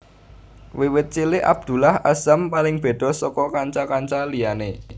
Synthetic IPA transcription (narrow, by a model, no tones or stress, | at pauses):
wiwɪt̪̚t͡ʃilɪʔa̰b̥̚d̪̥ṳlahasampalɪŋb̥e̤d̪̥ɔ̤sɔkɔkaɲt͡ʃakaɲt͡ʃalijane